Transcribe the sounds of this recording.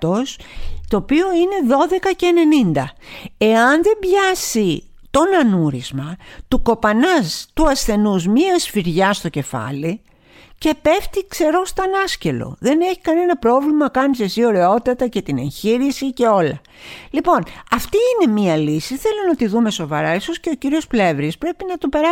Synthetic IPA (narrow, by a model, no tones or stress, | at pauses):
o̞st̪o̞ːpio̞ine̞ðo̞ðe̞kɐce̞ːne̞nind̪ɐ | e̞ɐnðe̞mbʝɐsi | t̪o̞nɐnuɾizmɐt̪uko̞pɐnɐst̪uɐsθe̞nuzmiɐsfiɾʝɐst̪o̞ce̞fɐ̰li | ce̞pe̞ft̪ikse̞ɾo̞st̪ɐnɐsce̞lo̞̰ðe̞ne̞çi̥kɐne̞nɐpɾo̞vlimɐkɐnise̞sio̞ɾe̞o̞t̪ɐt̪ɐce̞t̪ine̞̰nçiɾisice̞o̞lɐ̰ | lipo̞nɐft̪iːne̞miɐlisiθe̞lonɐt̪iðume̞so̞vɐɾɐlisosce̞ociɾio̞sple̞vɾispɾe̞pinɐt̪upe̞ɾɐ